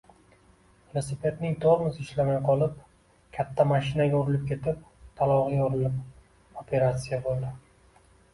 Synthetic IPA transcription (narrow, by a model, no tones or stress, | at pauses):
velˠosipʰe̞t̪nɪŋd̪oɾmɪzɪʃlamajqʰɒlˠɪp̚ | kʲʰat̪ʰːamaʃɪnaɡʲaʊɾɪlɪp̚kʲe̞t̪ʰɪp̚ | t̪ʰalˠɒʁijʊɾɪlɪp̚ | opʰe̞ɾat̪sijabolˠd̪ɪ